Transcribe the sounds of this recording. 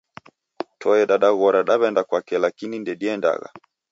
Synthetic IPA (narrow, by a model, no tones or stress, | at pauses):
tʰɔɛɗaɗaɣɔɾaɗaβɛndakwakɛlakinindɛɗiɛnda̰ɣa̰